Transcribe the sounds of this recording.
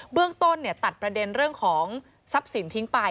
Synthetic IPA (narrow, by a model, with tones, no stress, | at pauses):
bɯ˥˩əŋt̪o˥˩nːi˥˩ɐt̪a˨˩t̪̚pɾa˧de˧nɾɯ˥˩əŋkʰɔː˩˦ŋ | sa˦˥p̚si˩˦nt̪ʰi˨˦˥ŋpa˧j